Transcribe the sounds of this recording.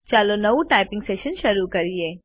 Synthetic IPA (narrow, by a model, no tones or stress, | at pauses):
t͡ʃaːlonɐʋũʈaːɪpɪ̃ŋɡseːʃənʃɐɾukɐɾieː